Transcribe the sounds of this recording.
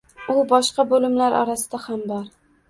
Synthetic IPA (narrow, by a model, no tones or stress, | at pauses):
ʊbɒʃqɑbolɪmlaɾʔɒ̰ɾasɪd̪ahambɒɾ